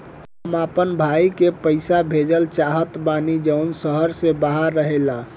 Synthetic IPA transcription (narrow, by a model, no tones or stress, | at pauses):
əmapənbʱaikepəɪsabʱed͡ʒəlt͡ʃaɦət̪banid͡ʒəʊnsəɦəɾsebaɦəɾːəɦela